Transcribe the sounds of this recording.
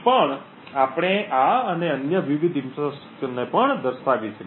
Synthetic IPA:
pəɳ | apɽ̃eʔaəneənjəʋiʋid̪imsas | nepəɳd̪əɾsaʋit͡ʃʰe

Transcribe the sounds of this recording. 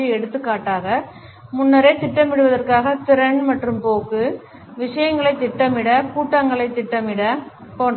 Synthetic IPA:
iɛɽɯt̪ːɯkːaːʈːaːɣɐ | mʊnːɐɾeːt̪ːɪʈːɐmɪɽɯʋɐðɐrkaːɣɐt̪ɪɾɐɳmɐʈrɯmpoːkːɯ | ʋɪʂɐjɐŋɡɐɭɐɪt̪ːɪʈːɐmɪɽɐkuːʈːɐŋɡɐɭɐɪt̪ːɪʈːɐmɪɽɐ | poːɳ

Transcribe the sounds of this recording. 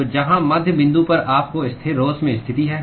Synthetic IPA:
d͡ʒɐɦãmɐd̪ʱjəbɪ̃nd̪upɐɾaːpkoɪst̪ʰeɾoːzmẽɪst̪ʰɪt̪iɦɛː

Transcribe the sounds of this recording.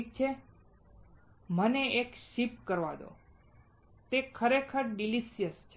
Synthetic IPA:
k̚t͡ʃʰe | məneekʃip̚kəɾʋad̪o̰ | t̪ekʰəɾekʰəɾɖiliʃijəst͡ʃʰe

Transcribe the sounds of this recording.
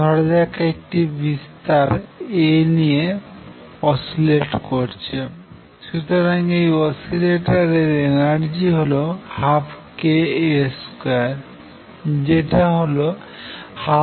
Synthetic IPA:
dʱɔɽd͡ʒakek̚ʈibist̪aɾenije | ɔsileʈkoɾt͡ɕʰe | ʃut̪oɾaŋejɔsileʈaɾeɾenaɽd͡ʑiɦolohapʰkeeskaɾ | d͡ʑeʈaɦolo | ha

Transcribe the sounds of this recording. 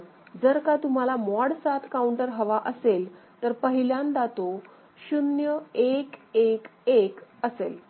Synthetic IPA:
d͡zəɾkat̪um̤alamɔɽsat̪ʰkauɳʈəɾɦəʋaʔəselt̪əɾpəɦiljand̪at̪o | ɕunjəekekekəsel

